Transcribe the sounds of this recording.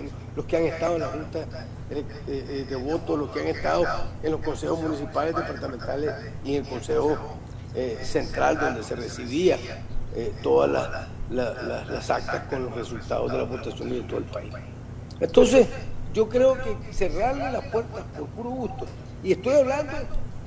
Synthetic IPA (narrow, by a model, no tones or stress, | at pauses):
on | loskeaŋe̞st̪aðoenlaxunt̪a | eek | ed̪eβo̞t̪oslo̞skeaŋe̞st̪aðoenlo̞sko̞nse̞hozmũnis̬ipale̞zðe̞paɾt̪amẽnt̪ales | ieŋelko̞nseho̞ | ese̞nt̪ɾa̰ld̪o̞nd̪e̞se̞re̞siβ̞ia | et̪o̞ða̰la̰s | lalaslasa̰k̚t̪asko̞nlo̞sre̞sult̪a̰ðo̞zðe̞laβo̞t̪asjo̞nd̪ðet̪o̰elpais | ent̪o̞ns̬e̞sd͡ʒo̞kɾe̞okese̞raɾlelaspwe̞ɾt̪aspo̞ɾpuɾoɣust̪o | ie̞st̪o̞jaβland̪o̞